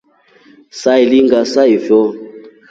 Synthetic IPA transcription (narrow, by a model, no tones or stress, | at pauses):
sailiŋɡasaivjɔ